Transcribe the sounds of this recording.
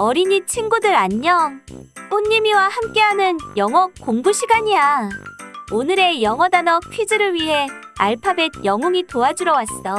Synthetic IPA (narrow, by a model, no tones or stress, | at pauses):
ʌɾiɲit͡ɕʰiŋɡudɯɾaɲːʌŋoɲːimiwahamk͈e̞ɦanɯnjʌŋʌk̚k͈oŋɡuɕʰiɡaɲia | onɯɾe̞jʌŋʌdanʌk̚pʰɥid͡ʑɯɾɯɭɥiɦe̞ | aɭpʰabed̚jʌŋuŋitoad͡ʑuɾʌwas͈t͈ʌ